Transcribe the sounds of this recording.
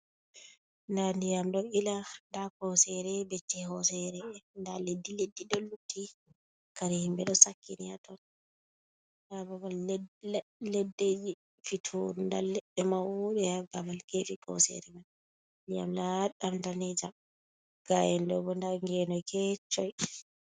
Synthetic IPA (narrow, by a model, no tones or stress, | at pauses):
ndandijamɗɔilandakɔsɛɾɛbetːɛhɔsɛɾɛndaledːiledːiɗɔlutːi | kaɾihimbɛɗɔsakːiniatɔn | dababal | lɛdːed͡ʒi | fitʰuɾunda̰lɛɗɛmaɗɛaɡabalkefikɔ̰sɛ̰ɾɛman | ndija̰mlaɗamdanɛd͡ʒam | ɡ̥ajɛndɔbɔndaŋɡɛnɔjkɛt͡ʃɔj